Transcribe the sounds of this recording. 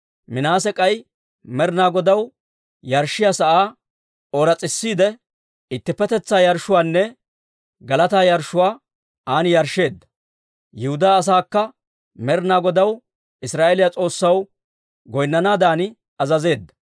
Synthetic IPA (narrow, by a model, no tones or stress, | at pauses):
mɪnaːs̬ɛkʼɐj | mɛɾnaːɡɔd̪ɐw | jɐɾʃːɪjasɐʔaː | oːɾɐt͡sʼɪsːiːd̪ɛ | ɪt̪ːɪpːɛt̪ɛt͡sːaːjɐɾʃʊwaːnːɛ | ɡɐlɐt̪aːjɐɾʃːʊwaː | aːnjɐɾʃe̞ːd̪ːɐ̥ | jɪhʊd̪aːs̬aːkːɐ | mɛɾnaːɡɔd̪ɐw | ɪsɾaːʔelɪjat͡sʼo̞ːsːɐw | ɡɔjnːɐnaːd̪aːnɪ | ɐzɐze̞ːd̪ːɐ